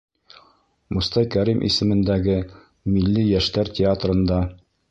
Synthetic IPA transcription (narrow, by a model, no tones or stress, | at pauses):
mŏst̪ɑjkæɾimʔḭsɘ̆mɘ̆nd̪æɡɘ | milːijæʃt̪æɾtʲɪat̪rɤ̆nd̪ɑ